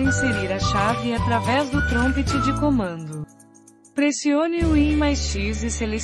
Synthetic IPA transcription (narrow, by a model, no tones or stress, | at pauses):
ĩseɾiɾɐʃavɪat̪ɾavɛzd̪ʊt̪ɾõmpet͡ʃɪd͡ʒɪkomɐ̃nd̪ʊ | pɾesiõnɪʊĩmajsʃizɪsele